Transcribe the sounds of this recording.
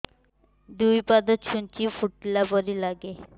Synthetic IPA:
ɖ̪ujpad̪ot̪ʃunt͡ɕifuʈ̚ːilaboɾilaɡe

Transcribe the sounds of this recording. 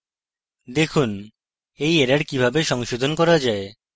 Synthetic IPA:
d̪ekʰun | ejeɾaɾkibʱabeʃɔŋʃod̪ʱonkɔɾad͡ʑae

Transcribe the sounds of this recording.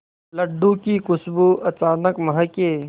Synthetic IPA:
ləɖːukikʊsbuʔɐt͡ʃaːnəkmɐɦəkeː

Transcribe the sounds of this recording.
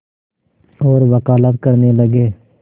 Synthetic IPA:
oːɾʋəkaːlət̪kəɾneləɡeː

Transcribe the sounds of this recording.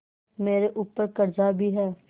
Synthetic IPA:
meːɾeʔuːpːəɾkəɾd͡ʒabʱiɦɛː

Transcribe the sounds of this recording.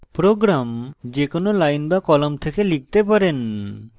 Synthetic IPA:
pɾoɡɾamd͡ʒekonolajnbakɔlomt̪ʰekelik̚t̪epaɾen

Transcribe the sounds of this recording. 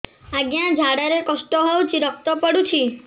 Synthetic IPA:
aɡjad͡ʒʱaɽaɾekɔsʈɔɦowt͡ʃʰiɾɔk̚t̪ɔpɔɽut͡ʃʰi

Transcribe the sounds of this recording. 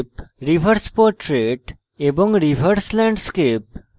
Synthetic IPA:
pɾiʋʱəɾspɔːɾʈɾeʈ | ebɔ̃ŋɡɾiʋʱəɾslɛ̃ɳɖskep̚

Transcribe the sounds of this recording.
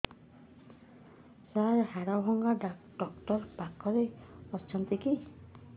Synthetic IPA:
saɾhaɾɔbʱɔŋɡaɖ | ɖɔkʈɔɾpakɔɾeɔt͡ʃʰɔnt̪iki

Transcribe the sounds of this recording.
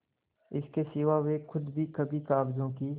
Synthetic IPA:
ɪskesɪʋaʋexʰʊd̪bʱikəbʱikaːbzõːkiː

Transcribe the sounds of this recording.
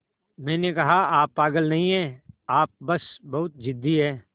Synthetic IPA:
mɛ̃ːnekɐɦaaːpːaːɡəlnɐɦĩɦɛ̃ːaːp̚bɐsbɐɦʊt̪̚d͡ʒɪd̪ʱːiɦɛː

